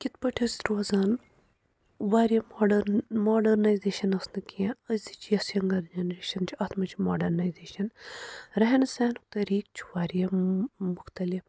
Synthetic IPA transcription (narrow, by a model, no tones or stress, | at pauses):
kʲit̪pɐʈʰisɾoːzaːn | ʋaːɾjɐmːɖmoːɖɐɾnɐjzeːʃɐnɐsnɨkiẽɐzʲd̪it͡ʃʰjɐsjɐŋɡɐɾd͡ʒɐnɐɾeːʃɐnt͡ʃʰiɐt̪ʰmɐt͡ʃʰimoːɖɐɾnaːjzeːʃɐnɾɐɦenseːnkt̪ɐɾiːk̚t͡ʃʰi̥ʋaːɾjɐmʊxt̪ɐlif